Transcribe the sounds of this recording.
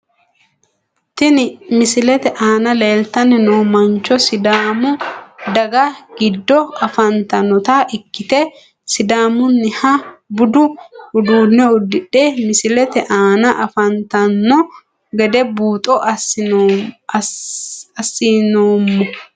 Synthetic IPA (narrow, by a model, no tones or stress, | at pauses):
t̪ɪnɪmɪsɪlɛt̪ɛʔaːnɐle̞ːlt̪ɐnɛnoːmɐnt͡ʃːɔsɪd̪aːmʊd̪ɐɡɐɡɪd̪ːɔɐfɐnt̪ɐnɔt̪aʔɪkːɪt̪ɛ | sɪd̪aːmʊnːɛhɐbʊd̪ʊʊd̪uːnːɛʊd̪ːɪɗːeːmɪsɪlɛt̪ɛʔaːnɐʔɐfɐnt̪ɐnːɔ | ɡɛd̪ɛbuːt̪ʼɔ | ɐsːinoːmːɔ